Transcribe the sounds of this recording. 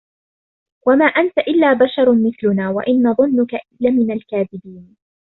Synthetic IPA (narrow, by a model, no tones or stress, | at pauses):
wamaːʔant̪aʔɪlːaːbaʃɑɾˤmɪθlʊnaːwa̰ʔɪnːɑðˤʊnːʊkaʔɪlːamɪnalkaːðɪbiːn